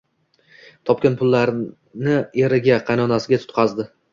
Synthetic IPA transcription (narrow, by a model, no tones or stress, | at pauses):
t̪ʰɒp̚kʲanpʰʊlːaɾ | nɪe̞ɾɪɡʲaqʰɑjnɒnasɪɡʲat̪ʰʊ̥t̪̚qʰɑzd̪ɪ